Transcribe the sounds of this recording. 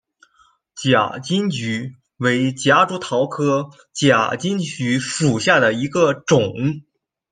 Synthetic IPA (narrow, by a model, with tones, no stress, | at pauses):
t͡ɕja̰˨˩t͡ɕi˥ŋt͡ɕy˧˥ | we˧˥ɪt͡ɕja˧˥ʈ͡ʂu˧˥t̪ʰɑ˧˥ʊkʰɤ˥ | t͡ɕja̰˨˩t͡ɕi˥nt͡ɕy˧˥fu˨˩ɕja˥˩d̪ə˩i˧˥ɡə˧ʈ͡ʂʊ˨˩˦ŋ